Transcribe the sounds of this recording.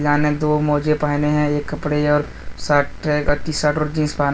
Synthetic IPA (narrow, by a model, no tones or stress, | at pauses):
d͡ʒaːnẽd̪oːmɔːd͡ʒepaːɪneɦɛ̃eːkːɐpɽeɔːɾ | saːʈːt̪iːsaːʈoɾd͡ʒĩːnspaːn